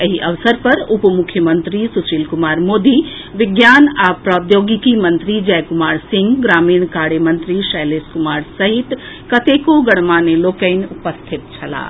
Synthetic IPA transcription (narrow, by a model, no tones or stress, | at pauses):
əɦiʔɐʋsəɾpɐɾupmʊkʰjəmənt̪ɾisut͡ʃiːlkʊmaːɾmoːd̪i | ʋɪɡjaːnapɾɐd̪joːɡikimɐ̃nt̪ɾid͡ʒɛjkʊmaːɾsɪ̃ŋɡɡɾaːmiːɳ̃kaːɽjəmə̃nt̪ɾiʃəjleːskʊmaːɾsɐɦit̪ | kɐt̪ekoɡɐɽmaːneloːkəɪnʊpəst̪ʰɪt̪̚t͡ʃʰɐla̰ː